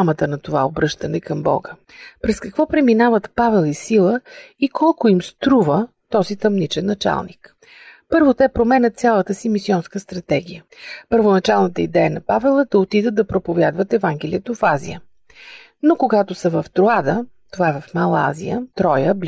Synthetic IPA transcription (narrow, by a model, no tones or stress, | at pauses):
mət̪ənɐt̪ovaobɾɤʃt̪ənɛkɐmbɔ̰ɡə | pɾɛskɐkvɔpɾɛminavət̪pavɛlˠisilˠəikʰɔlˠkʊimst̪ɾuvət̪ɔzit̪ɐmnit͡ʃɛnːɐt͡ʃa̰lˠnik | pɤɾvot̪ɛpɾomɛnʲət̪sʲjalˠət̪əsimisiɔnskəst̪ɾɐt̪ɛɡ̟ijə | pəɾvonɐt͡ʃalˠnət̪əid̪ɛjənɐpavɛlˠəd̪ɐot̪id̪ət̪d̪ɐpɾopovʲjad̪vət̪ɛvaŋɡ̟ɛliət̪ofazḭjə | nokoɡat̪osəvɐft̪ɾoad̪ət̪ovaɛvɐfmalˠa̰zḭət̪ɾɔjəb